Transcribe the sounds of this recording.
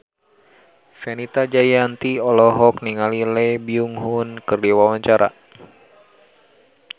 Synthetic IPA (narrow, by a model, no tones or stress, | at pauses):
fɛnit̪ad͡ʒajant̪iɔlɔɦɔk̚niŋalilɛbiuŋɦunkɨrdiwawaɲt͡ʃaɾʔa̰